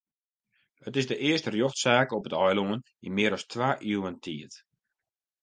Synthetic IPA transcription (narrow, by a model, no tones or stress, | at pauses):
ətɪsdəʔɪəstərjoxtsaːkɔpətɔjloən | inmɪəɾɔstʋaːʔiwəntʰiət